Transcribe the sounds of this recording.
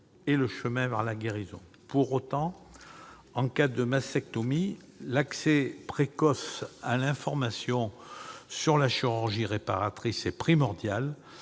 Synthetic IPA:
eləʃəmɛ̃vɛʁlaɡeʁizɔ̰̃ | puʁot̪ɑ̃ | ɑ̃kad̪əmasɛk̚t̪ɔmi | laksepχekɔsalɛ̃fɔʁmasjɔ̃syʁlaʃiʁyʁʒiʁepaʁat̪χisepχimɔʁd̪jal

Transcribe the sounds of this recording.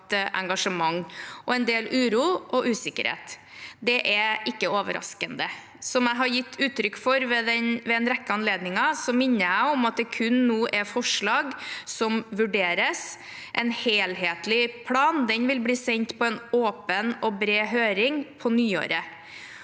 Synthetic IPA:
t̪əʔɛ̰ŋɡɑʂəmɑŋːʔɔɛnd̪eːlʉːɾuːʔɔʔʉːsɪkːə̰ɾhḛːt̪ | d̪ɛʔɛɪkːəoːʋə̰ɾɑ̰skənd̪ə | sɔmæɪɦɑɾjɪt̪ːʉːt̪ːɾʏkːfɔɾʋɛd̪ɛnʋɛɛnɾɛkːəɑnleːd̪nɪŋɑsɔmɪnːəæɪɔmɑt̪̚d̪ɛkʰʉnːuːʔɛɾfɔʂɭɑːɡsɔmʋʉɖeːɾəs | ʔɛnheːlɦeːt̪lɪpʰlɑːnd̪ɛnʋɪlbliːsɛɲt̪pʰɔɛnoːpənɔbɾeːɦøːɾɪŋpʰɔnyːo̰ːɾə

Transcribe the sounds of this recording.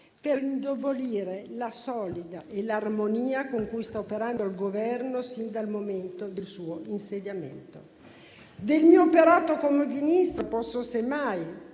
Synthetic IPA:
peɾind̪ovoliːɾelasɔlid̪aʔelarmoniːakoŋkujst̪aopeɾand̪olɡovɛrnosind̪almoment̪od̪elsuːoinsed̪jamḛnt̪o̰ | d̪elmiːoːpeɾaːt̪okomevinist̪ɾopɔsːosemaj

